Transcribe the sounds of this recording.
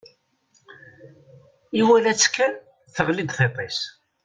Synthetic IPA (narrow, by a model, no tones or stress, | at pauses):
iwælæt͡sːkːæn | θəʁlid̪θet̪ˤis